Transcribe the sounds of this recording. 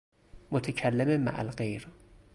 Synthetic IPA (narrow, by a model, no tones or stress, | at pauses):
mot̪ʰecʰælːæmema̰ʔæ̰lɢejɾ